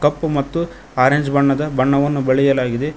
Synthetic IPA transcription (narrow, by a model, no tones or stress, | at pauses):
kɐpːumɐt̪ːu | aːɾeɲd͡ʒbɐɳːɐd̪ɐbɐɳːɐʋɐnːubeɭɛjɐlaːɡid̪e